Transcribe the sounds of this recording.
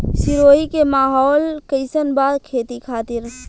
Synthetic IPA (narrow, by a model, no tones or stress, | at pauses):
siɾoikemaːɦɔːlkəɪsənbad̪kʰet̪ikʰaːt̪iɾ